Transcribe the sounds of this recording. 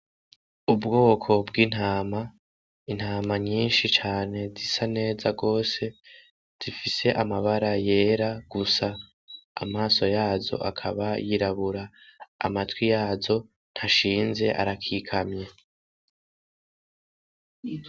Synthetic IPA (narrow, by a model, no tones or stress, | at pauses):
ubɡoːkʰo̞bɡiːn̥aːma | in̥haːmaɲiːnʃit͡ʃaːne̞zisane̞ːzaɡo̞ːse̞ | z̥ifise̞ʔamaβaɾaje̞ːɾaɡ̥usa̰ː | maːso̞jaːzo̞̰ʔa̰kʰaβajiɾaβuɾa̰ːmatwijaːzo̞ | n̥haʃiːnze̞ʔa̰ɾakʰiːkʰamɲe̞